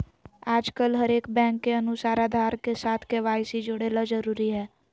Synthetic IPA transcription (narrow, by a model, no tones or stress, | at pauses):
aːd͡ʒkəlɦəɾeːkbɛ̃ːŋkːeənʊsaːɾad̪ʱaːɾkesaːt̪ʰkeʋaːjsid͡ʒoɽeːlad͡ʒəɾuːɾiɦɛː